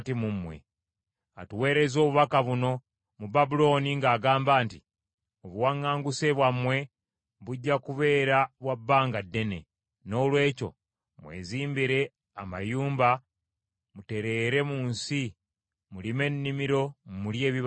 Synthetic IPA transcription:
timumwḛ | a̰tuwe̞ːɾe̞zo̞ːβuβakaβuno̞ | mubabulo̞ːniŋɡaːɡaːmbaːnti | oβuwaŋːaːŋɡuse̞βwamwe̞ | βuɟːakuβe̞ːɾaβwabːaːŋɡadːe̞ne̞̰ | no̞ːlwe̞ːco̞̰ | mwe̞̰ːziːmbiɾe̞ | ama̰juːmba | mute̞ɾe̞ɾe̞muːnsi | mulime̞nːimiɾo̞mulje̞ːβiβ

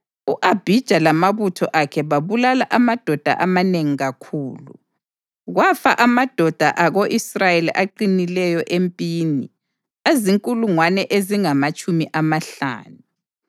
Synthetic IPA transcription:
uʔab̥ʱid̥ʒ̥ʱalamaβutʰɔ̰ʔakʰɛβaβulalaʔamad̥ʱɔd̥ʱa̰ʔamaneŋiɣakʰuːlṵ | ɣwafa̰ʔamad̥ʱɔd̥ʱa̰ʔaɣoʔisrajeliʔaǃinilɛjɔʔempʼiːni | eziŋkʼuluŋwanɛʔeziŋamat͡ʃʼumiʔamaɬa̰ːnu

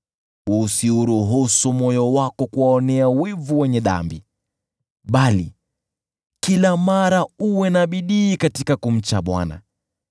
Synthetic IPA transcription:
usiuɾuɦusɔmɔjɔwakɔkuwaɔnɛawivuwɛɲɛɗa̰mbi | ɓalḭ | kilamaɾauwɛnaɓiɗiːkatikakum̩t͡ʃaɓwa̰na̰

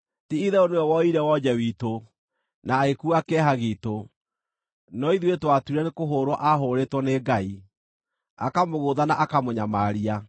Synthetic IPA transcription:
tiiðɛoneɛwɔiɾɛwɔd͡ʑɛwiːto | naekuakɛɦaɣiːto | nɔiðwetwatuiɾɛnekoɦoːɾwɔʔaɦoːɾetwɔneːɡai | akamoɣoðanaʔakamoɲamaɾia

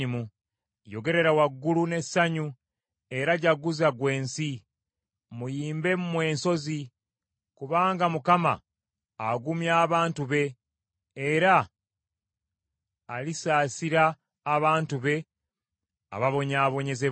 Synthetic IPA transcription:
imu | jo̞ɡe̞ɾe̞ɾawaɡːulune̞saɲu | e̞ɾaɟaɡuzaɡwe̞ːnsi | mujiːmbe̞mumwe̞ːnso̞zi | kuβaːŋɡamukama̰ː | ɡumjaːβaːntuβe̞ | eɾa | lisaːsiɾaː | βaːntuβe̞ | a̰βaβo̞ɲaːβo̞ɲe̞ze

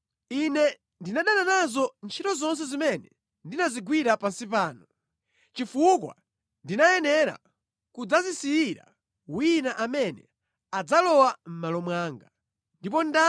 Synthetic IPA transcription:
inɛ | ndinaɗananazɔnt͡ʃʰitɔzɔns̬ɛzimɛnɛ | ndinaziɡwiɾapansipaːnɔ | t͡ʃifukwa̰ | ndinajɛnɛɾa̰ | kud͡zazisijiɾa̰ | winaʔamɛnɛ̰ | ad͡zalɔwam̩malɔmwaːŋɡa | ndip̬ɔnda

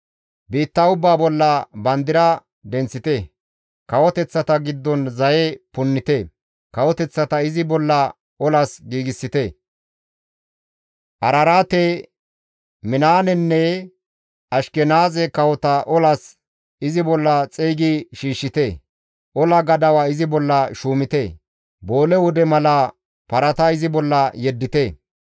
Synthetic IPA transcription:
biːt̪ːɐʊbːaːbɔlːɐbɐnd̪ɪɾɐ | d̪ɛnt͡sːɪt̪ɛ | kɐwɔt̪ɛt͡sːɐt̪ɐɡɪd̪ːɔnzɐjɛpʊnːɪt̪ɛ | kɐwɔt̪ɛt͡sːɐt̪ɐɪzɪbɔlːɐ | ɔlɐsɡiːɡɪsːɪt̪ɛ | ʔɐɾɐɾaːt̪e | mɪnaːnɛnːɛ | ɐʃkɛnaːzɛkɐwɔt̪ɐʔɔlɐs | ɪzɪbɔlːɐt͡sʼeːɡɪʃiːʃːɪt̪e | ʔɔlɐɡɐd̪ɐwaɪzɪbɔlːɐʃuːmɪt̪ɛ | bo̞ːlɛwɔd̪ɛmɐlɐ | pɐɾɐt̪ɐɪzɪbɔlːɐjɛd̪ːɪt̪e

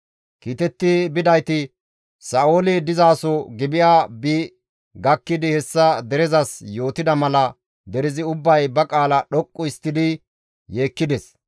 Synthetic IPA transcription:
kiːt̪ɛt̪ːɪbɪd̪ɐjt̪ɪ | saːʔoːlɪd̪ɪzaːsɔɡɪbɪjaːbiː | ɡɐkːɪd̪ɪhɛsːɐd̪ɛɾɛzɐsjo̞ːt̪ɪd̪ɐmɐlɐ | d̪ɛɾɪzɪʊbːɐjbɐkʼaːlɐɗɔkʼːʊɪst̪ːɪd̪ɪ | je̞ːkːɪd̪ɛs

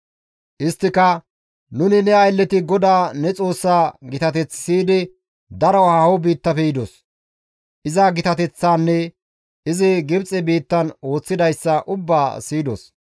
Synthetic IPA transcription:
ʔɪst̪ːɪkɐ | nʊnɪnɛɐjlːɛt̪ɪɡɔd̪aːnɛt͡sʼo̞ːsːaːɡɪt̪ɐt̪ɛt͡sːsiːd̪ɪ | d̪ɐɾɐwhaɔbiːt̪ːɐfɛjɪd̪os | ʔɪzaɡɪt̪ɐt̪ɛt͡sːaːnːɛ | ɪzɪɡɪbt͡sʼɛbiːt̪ːɐno̞ːt͡sːɪd̪ɐjsːɐʔʊbːaːsiːd̪o̰s

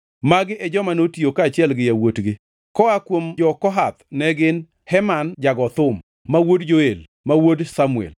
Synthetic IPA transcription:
maɡɪʔɛd͡ʒɔmanotiokat͡ʃɪɛlɡɪjawotɡɪ | kɔakwomd͡ʒɔkɔɦat̪̚nɛɡɪn | hɛmand͡ʒaɡɔt̪ʊmː | awodd͡ʒoel | mawodsamuɛ̰l

